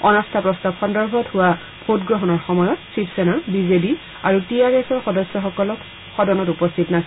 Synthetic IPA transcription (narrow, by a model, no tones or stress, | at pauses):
ɔnɔstʰapɹɔstabxɔndɔɹbʱɔthʊwa | b̥ʱotɡɹɔɦɔnɔɹxɔmɔjɔtsipsɛnaɹbizebi | aɹutijaɡɛsɔɹxɔdɔsːɔxɔkɔlɔk | xɔdɔnɔtupɔstʰitnasi